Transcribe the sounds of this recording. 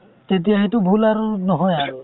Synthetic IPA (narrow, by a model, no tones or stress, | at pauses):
tet̬ijaxetʊbʱulaɹunɔɦɔjaɹu